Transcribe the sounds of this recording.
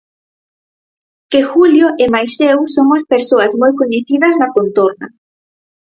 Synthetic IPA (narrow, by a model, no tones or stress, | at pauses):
kexuljoʔemajsewsoŋaspeɾsoazmojkoɲeθiðɐznakont̪oɾna̰